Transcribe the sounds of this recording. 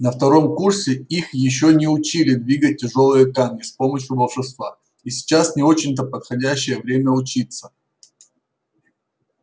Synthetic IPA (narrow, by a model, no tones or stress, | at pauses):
nəft̪ɐɾo̞mkursʲɪixjɪɕːo̞nʲɪʊt͡ɕilʲɪd̪vʲiɡət̚ʲːɪʐo̞lˠɨjəkamʲnʲɪspo̞məɕjʊbəlˠʂɨst̪va | isʲɪ̥t͡ɕasnʲɪo̞t͡ɕɪnʲt̪əpət̪xɐdʲæɕːɪjəvɾʲemʲəʊt͡ɕit̪sə̥